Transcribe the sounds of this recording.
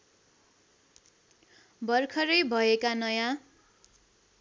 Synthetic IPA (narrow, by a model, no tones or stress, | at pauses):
bʌrkʰʌɾʌjbʱʌekanʌjã